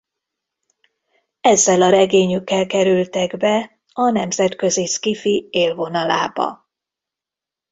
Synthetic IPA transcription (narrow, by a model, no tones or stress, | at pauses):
ɛzːɛlɒɾɛɡeːɲykːɛlkɛɾylt̪ɛɡbɛ | ɒnɛmzɛt̪kø̞ziskifieːlvo̞nɒla̰ːbɒ̰